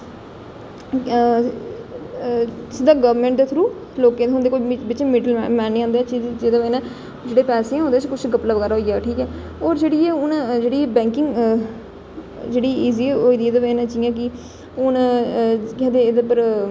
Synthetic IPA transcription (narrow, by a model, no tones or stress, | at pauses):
ɪsɪd̪aːɡəʋmẽːɳʈd̪eːt̪ʰɾuː | loːkẽːd̪eɦʊ̃nd̪eːkoːibɪt͡ʃmɪɖəlmɛ̃ːneːãːnd̪eːt͡ʃid͡ʒeːd̪aːʋeːnɛ̃ː | d͡ʒeːɽeːpɛːsẽːɛ̃ːʊnd̪eːt͡ʃkʊt͡ʃʰɡəplaːʋəɡɛːɾaːɦoiːaːʈʰiːkɛː | ɔːɾd͡ʒeːɽiːɛːʊnd͡ʒeːɽiːbɛ̃ːŋkɪŋɡ | d͡ʒeːɽiːiːziːɛoːiːd̪ieːd̪aːʋeːnɛ̃ːt͡ʃijãːk̬ɪ | ʊn | kɛːd̪eːd̪epəɾ